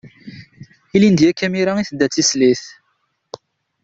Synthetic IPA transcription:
ilind̪jækːæmiɾaiθəd̪ːæt͡sːisliθ

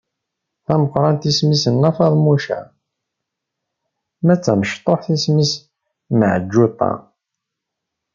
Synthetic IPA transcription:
θæməqːɾˤɑnt̪ismisənːæfɑðˤmuʃæ̰ | mæt͡sːæməʃt̪ˤːoħθismis | məʕəd͡ʒːut̪ˤːɑ̰

